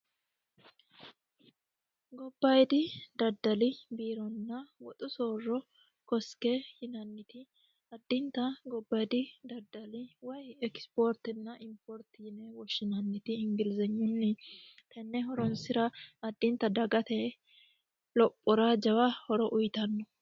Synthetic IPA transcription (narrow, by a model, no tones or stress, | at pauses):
ɡɔbːɐjd̪ɪd̪ɐd̪ːɐlɪbiːɾɔnːɐwɔt̪ʼʊsoːrːɔ | kɔskɛhɪnɐnːɪt̪ɪ | ɐd̪ːɪnt̪ːɐɡɔbːɐjd̪ɪd̪ɐd̪ːɐlɪwɐjɛkspoɾt̪ɪnːɐʔɪmpoɾt̪ɪjɪnɛwɔʃːɪnɐnːɪt̪ɪɪŋɡɪlzɐɲːʊnːɪt̪ʰɐnːɛɦɔɾɔnsɪɾɐɐd̪ːɪnt̪ːɐd̪ɐɡɐt̪ɛ | lɔpʼːɔɾad͡ʒɐwɐhɔɾɔʔʊjt̪ɐnːɔ